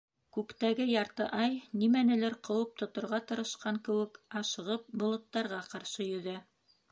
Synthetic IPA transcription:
kʉkt̪æɡɘjɑɾt̪ɤʔɑjnimænɘ̆lɘɾqɤ̆wɤp̚t̪ŏt̪ŏɾʁɑt̪ɤ̆ɾɤ̆ʃqɑŋkɘ̆wɘ̆kɑʃɤ̆ʁɤp̚bŏlˠɤ̆t̪ːɑɾʁɑqɑɾʃɤjɵ̆ðæ

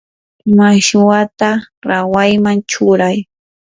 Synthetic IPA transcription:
maʃʊwat̪aɾawajmaŋt͡ʃʊɾaj

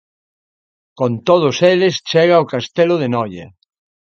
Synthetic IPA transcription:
kont̪oðʊselest͡ʃɛɣaokast̪elʊðenɔjɐ̰

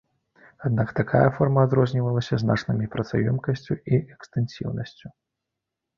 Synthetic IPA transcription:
ad̪nakt̪akʰajɐfɔrmɐːd̪ɾɔzʲnʲivɐlˠɐsʲɐzna̰t͡ʂnɨmʲipɾɐt̪sajɔmkɐsʲt͡sʲuiʔɛkst̪ɨnsʲḭwnɐsʲt͡sʲu

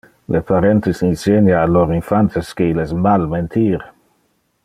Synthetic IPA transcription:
lʔepʰaɾɛnt̪esinsenjaːloɾinfant̪eskeilesmalment̪ʰiːɾ

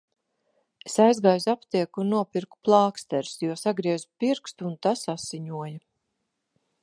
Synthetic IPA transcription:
esajzɡaːjzapt̪iɛkunːuɔpiɾku̥plˠɑːkst̪ɛɾsjuɔsaɡɾiɛzupiɾkst̪unt̪asasiɲuɔja

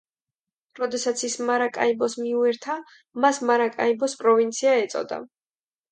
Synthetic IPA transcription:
ɾɔd̪ɛsat̪sʰismaɾakʼa̰ibɔsmiuɛɾt̪ʰa | masmaɾakʼa̰ibɔspʼɾɔvint̪sʰiaɛt̪sʼɔ̰d̪a̰

